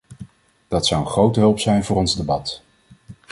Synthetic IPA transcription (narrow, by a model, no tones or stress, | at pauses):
d̥ɑtsʌwənχrowtəɦɵlˠpsɛjnvʊːrɔnzdebɑt